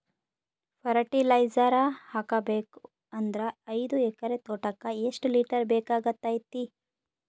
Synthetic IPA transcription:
pʰɐɾɐʈilɐjd͡ʒɐɾahakɐbeːku | ɐnd̪ɾɐɐjd̪uɛkɐɾet̪oːʈɐkːɐeʂʈliːʈɐɾbeːkaːɡɐt̪ːaːjt̪ːi

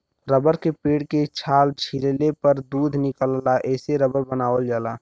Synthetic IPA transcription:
ɾəbəɾkepeːɽket͡ʃʰaːlt͡ʃʰillepəɾd̪uːd̪ʱnɪkəllaʔɛːseɾəbəɾbənaːʋəld͡ʒaːlaː

